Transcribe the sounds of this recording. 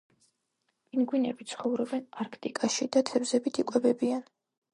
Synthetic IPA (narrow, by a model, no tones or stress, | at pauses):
inɡwinɛ̰bit̪sʰχɔvɾɔbɛnaɾkʰt̪ʼikʼaʃid̪at̪ʰɛvzɛbit̪ʰikʼwɛbɛbian